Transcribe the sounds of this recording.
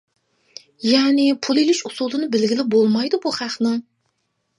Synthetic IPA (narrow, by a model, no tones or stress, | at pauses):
jɛnɪpʰulˠilɪʃusulˠɨnɨbɪlɡʲilɪbolˠmɑjd̪ubuχæχnɪŋ